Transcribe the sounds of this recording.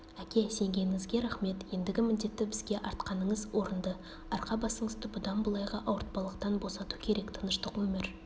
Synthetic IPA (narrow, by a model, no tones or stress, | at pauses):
ækʲe̞se̞ŋɡʲe̞nɪŋɪzɡʲe̞ɾæχme̞t̪je̞nd̪ɪɡʲɪmɪnd̪e̞t̪ːɪbɪzɡʲe̞ʔɑɾt̪qɑnəɴəzwʔo̞ɾənd̪ə | ɑɾqɑbɑsəɴəzd̪əbʊd̪ɑnbəlˠɑjʁɑʔɑwəɾt̪̚pɑlˠəqt̪ɑnbo̞sɑt̪ukʲʰe̞ɾe̞kt̪ʰənəʃt̪əqwɵmeɾ